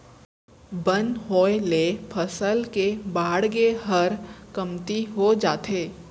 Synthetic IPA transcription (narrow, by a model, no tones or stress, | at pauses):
bə̃nɦoːelepʰəsəlkebaːɽɡeɦəɾkəmt̪iɦod͡ʒaːt̪eː